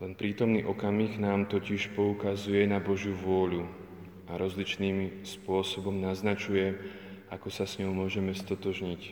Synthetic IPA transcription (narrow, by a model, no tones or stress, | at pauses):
lɛnpɾiːt̪ɔmniːʔɔkamiːɣnaːmt̪ɔciʃpɔukazujɛnabɔʒjuʋʊɔʎu | ʔaɾɔzlit͡ʃniːmspʊɔsɔbɔmnaznat͡ʃujɛ | akɔsasɲɔʊmʊɔʒɛmɛst̪ɔt̪ɔʒɲic